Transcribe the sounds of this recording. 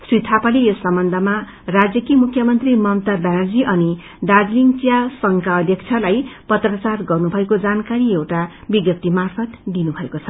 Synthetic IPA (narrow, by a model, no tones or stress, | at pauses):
srit̪ʰapalejosʌmbʌnd̪ʱʌma | rad͡zjʌkimukʰːjʌmʌnt̪rimʌmt̪abanʌrd͡ziʔʌni | ɖad͡zliŋt͡sijasʌŋkaʌd̪ʱjʌk̚t͡sʰʌlajpʌt̪rʌt͡sarɡʌrnubʱʌekod͡zankaɾiewʈabiɡjʌp̚t̪ːimarpʰʌt̪d̪inubʱʌekot͡sʰʌ